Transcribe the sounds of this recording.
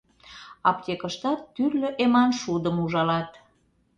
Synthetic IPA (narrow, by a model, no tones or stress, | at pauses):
ɑp̚tʲekəʃt̪ɑt̪ːyllʲløʔemɑnʃud̪əmuʒɑlɑt̪